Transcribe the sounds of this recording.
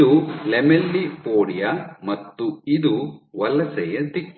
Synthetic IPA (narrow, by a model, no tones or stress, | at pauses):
ulɛmelːipoːɽijɐmɐt̪ːuid̪uʋɐlɐsɛjɐt̪ikː